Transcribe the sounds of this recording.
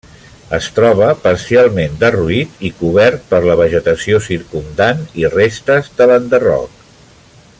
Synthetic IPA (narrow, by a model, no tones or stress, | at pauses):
əst̪ɾɔβ̞əpəɾsialˠmend̪əruit̪ikuβ̞ɛɾt̪̚pəɾləβəʒət̪əsiosiɾkund̪anirest̪əzðələnd̪ərɔ̰k̚